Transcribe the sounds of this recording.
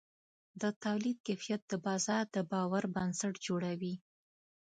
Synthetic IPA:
d̪ət̪awlid̪̚kefijat̪̚d̪̥əbɑzɑɾd̪əbɑwaɾbansaʈd͡ʒoɽawi

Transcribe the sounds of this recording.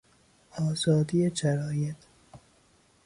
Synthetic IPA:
ɒːzɒːd̪ijeʃæɾɒːjet̪ʰ

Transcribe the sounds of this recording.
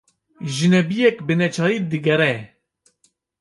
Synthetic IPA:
ʒɨnɛbijɛkbɨnɛt͡ʃʰɑːjid̪ɨɡɛɾɛ

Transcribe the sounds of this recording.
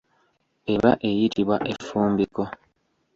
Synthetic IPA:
e̞βaʔe̞jitiβwaʔe̞fuːmbiko̞

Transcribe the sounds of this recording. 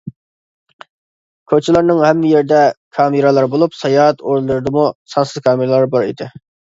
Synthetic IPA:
kʲʰøt͡ʃʰɪlˠɑɾnɨŋhɛmːɪjeɾd̪ɛkʰɑːmɪɾɑlˠɑɾbolˠupsɑjɑɦɛt̪oɾlˠɨɾɨd̪ɨmusɑnsɨzkʰɑːmɪɾɛlˠɑɾbɑɾḭd̪ɪ

